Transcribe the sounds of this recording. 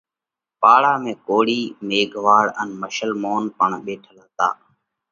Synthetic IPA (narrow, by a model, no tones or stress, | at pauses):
paːɭaːmẽːkoːɽiːmeːɡʱʋaːɽənməʃəlmoːnpəɳɓeːʈʰəlaːt̪a̰ː